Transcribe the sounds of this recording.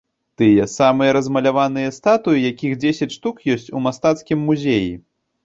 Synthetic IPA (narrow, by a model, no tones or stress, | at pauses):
t̪ɨjɛsamɨjɐɾɐzmɐlʲavanɨjɐst̪at̪ujijakʲixd͡zʲesʲɐt͡sʲʂt̪ukjɔsʲt͡sʲumast̪at̪skʲimːuzʲeji